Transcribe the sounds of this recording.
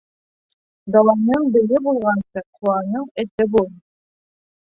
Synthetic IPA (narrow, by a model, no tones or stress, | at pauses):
d̪ɑlˠɑnːɤɴbɘ̆ɡɘbulˠʁɑnsɤqʰuɑnɤɴɘ̆t̪ɘbulˠ